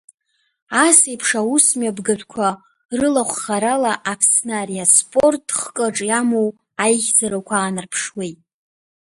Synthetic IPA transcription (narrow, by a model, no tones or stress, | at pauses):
asejpʰʂawusmɥabɡaʒʷᶣʰkʷʰa | rɨlaχʷχaɾalaʔapʰsnarijaspʼo̞rtʰʼχkʼəʈ͡ʂʼjamow | ajχʲd͡zaɾakʷʰaːnɨrpʰʂwejtʼ